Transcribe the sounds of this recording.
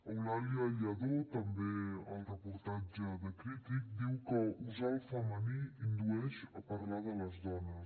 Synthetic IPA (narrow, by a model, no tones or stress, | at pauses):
əwlaliəʎəðot̪əmbeəlˠrəpuɾt̪ad͡ʒəðəkɾit̪ik̚d̪iwkəuzalˠfaməniind̪uɛʃəpəɾlaðələzdɔnəs